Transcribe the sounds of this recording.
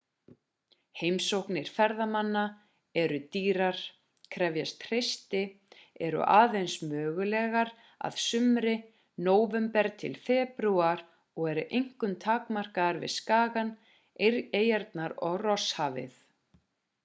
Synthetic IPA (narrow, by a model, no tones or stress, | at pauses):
heːjmsowhknɪɾ̥fɛɾðamanːa | ɛɾʏt̪iːɾaɾ̥ | kʰɾɛvjast̪r̥ejst̪ɪ | ɛɾʏ̰ʔaːðejnsmœːɣʏlɛɣaɾ | a̰ðsʏmɾɪ | noːwvɛmpɛɾt̪ʰɪ̰lfɛːpɾuaɾ | ɔɣɛɾʏʔejŋ̥kʏmt̪ʰaːkmar̥kaðaɾvɪ̰ðskaːɣan | eɾejɛɾt̪naɾɔɣrɔshaːvɪ̰θ